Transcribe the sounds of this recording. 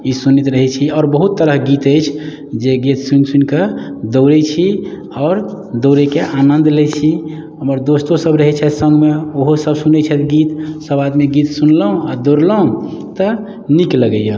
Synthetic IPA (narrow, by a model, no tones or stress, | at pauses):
isunit̪ɾəɦɛt͡ʃʰiɔːɾbəɦut̪ːəɾəɦɡit̪əjt͡ʃʰ | d͡ʒeɡit̪sunsunked̪owɾɛt͡ʃʰi | ɔːɾ | d̪oɾɛkeʔanənd̪lɛt͡ʃʰi | ɦəməɾd̪ost̪osəbɾəɦɛt͡ʃʰɛsə̃ŋɡmeoɦosəbsunɛt͡ʃʰɛt̪ɡit̪səbad̪meɡit̪sunləɦũad̪oɾləɦũt̪ə | nikləɡəjə